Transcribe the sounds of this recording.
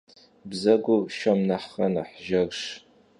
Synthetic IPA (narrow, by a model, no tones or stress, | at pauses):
bzɐɡʷʊʃɐmnɐħχɐnɐ̰ħʒɐrʃ